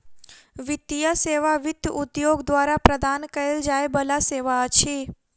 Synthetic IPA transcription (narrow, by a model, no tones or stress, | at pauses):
ʋɪt̪ijaseʋaʋɪd̪jʔud̪joɡd̪ʋaɾapɾəd̪ʱankəeld͡ʒaebəlaseʋaət͡ʃʰe